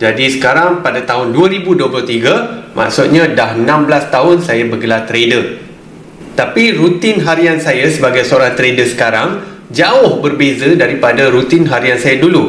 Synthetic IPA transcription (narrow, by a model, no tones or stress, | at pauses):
d͡ʒadisə̥kaɾaŋpadat̪aɦʊnduəɾibuduəplʊht̪iɡamʔã̰ʔsʊt̪̚ɲãdaɦənãmblast̪aɦʊnsajabəɡəlart̪ɾedə | t̪apiɾut̪ɪnɦaɾiansajasəbaɡajsəoɾaŋt̪ɾedəsə̥kaɾaŋ | d͡ʒaʊhbərbezədaɾipadaɾut̪ɪnɦaɾiansajadulu